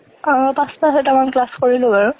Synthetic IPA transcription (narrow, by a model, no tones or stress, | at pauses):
aɹpaspasɛtamanklaskoɹilʊ̃baɹʊ